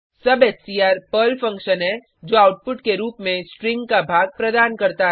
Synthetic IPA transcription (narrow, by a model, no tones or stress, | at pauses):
sɐbeːssiːaːɾpəlfɐ̃ŋkʃənɦɛ | d͡ʒoːaːʊʈ̚pʊʈkeɾuːpmẽsʈɾɪ̃ŋɡkabʱaːɡ̚pɾɐd̪aːnkɐɾt̪aɦ